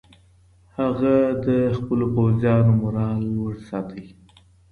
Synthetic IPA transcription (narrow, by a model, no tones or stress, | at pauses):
haɣad̪əxpəlopawzjɑnomʊɾɑlwəɾsɑt̪ʰəwi